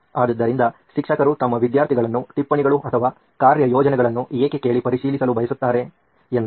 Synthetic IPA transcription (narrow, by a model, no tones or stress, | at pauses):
aːd̪ɐd̪ːɐɾind̪ɐ | ʃikʂɐkɐɾut̪ɐmːɐʋid̪jaːɾt̪ʰiɡɐɭɐnːuʈipːɐɳiɡɐɭuʔɐt̪ʰɐʋaː | kaːɾjɐjɔːd͡ʒɐnɛɡɐɭɐnːueːkeke̞ːɭipɐɾiʃiːlisɐlubɐjɐsut̪ːaːɾe̞ | end̪